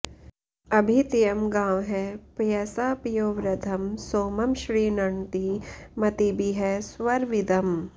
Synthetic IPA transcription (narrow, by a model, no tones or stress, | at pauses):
ɐbʱit̪ijɐmɡãːwɦɛpjɐsaːpijoːʋɾɐd̪ʰʱɐmsoːmɐmʃɾiːnɐɳt̪imɐt̪ibʱiɦɛsʋɐɾʋid̪ɐm